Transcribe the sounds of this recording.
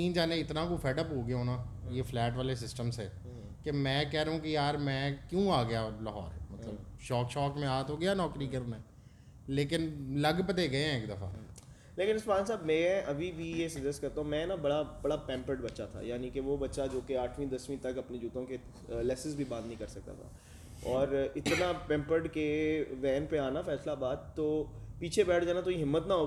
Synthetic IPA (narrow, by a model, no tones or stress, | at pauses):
ĩːnd͡ʒaːnẽɪt̪nãkofʰɛːʈəpɦoːɡjɦoːnaːjeːfʰlɛːʈʋaːlesɪsʈəmsɛː | kemɛ̃ːkɛɦɾəɦũkijaːɾmɛ̃ːkjũːaːɡɐjalaɦɔ̰ːɾmɐt̪ləbʃɔːkʃɔːkmẽaːt̪ɦoːɡjaːnɔːkɾikəɾnaɛː | leːkɪnlɐɡpət̪eɡɐeɦɛ̃ɪkd̪ɐfʰa̰ː | leːkɪ̃nɪspaːnsaːbmɛ̃ɛ̃ɐbʱibʱijesɐkd͡ʒɛsʈkɐɾt̪aːɦũmɛ̃nabɐɽabɐɽapɛ̃ːmpəɾɖbɐtːʃat̪ʰa̰jaːnikeʋobɐtːʃad͡ʒoːkeaːʈʰmĩd̪ɐsmĩt̪ɐkɐpned͡ʒuːt̪õke | lɛːsɪzbʱibãːnd̪əɐɦĩkɐɾsɐk̚t̪a̰t̪ʰa̰ː | ɔːɾɪt̪napɛ̃ːmpəɾɖkeʋɛːnpeaːnafɛːslabaːd̪̚t̪ːoːpiːt͡ʃʰebɛːʈʰd͡ʒaːnat̪oiɦɪmːət̪naɦoː